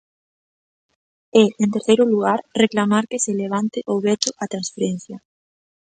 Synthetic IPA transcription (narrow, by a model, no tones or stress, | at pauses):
ɛent̪eɾθejɾʊluɣ̞aɾreklamaɾkeseleβ̞ant̪ɪʔoβɛt̪ʊʔat̪ɾãnsfeɾɛn̟θjɐ